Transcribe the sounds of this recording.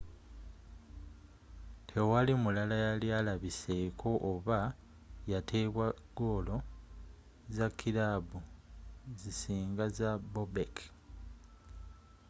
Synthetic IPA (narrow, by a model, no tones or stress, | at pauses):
tʰe̞walimulalajaljalaβise̞kʰo̞ʔoβa | jatʰe̞ːβwaɡ̥o̞ːlo̞ | zakʰːilabu | zisiːŋɡazabobek